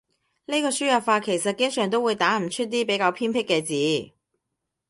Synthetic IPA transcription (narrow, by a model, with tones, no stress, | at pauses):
ne˥jkɔː˧syː˥jɐ˨faː˧kʰe˨˩jsɐ˨t̚kɪ˥ŋsœː˨ŋt̪o˥wːu˨˧jt̪aː˨˥m̩˨˩t͡ʃʰɵ˥t̚t̪iː˥pe˨˥jkaː˧wpʰiː˥npʰɪ˥kːɛː˧t͡siː˨˥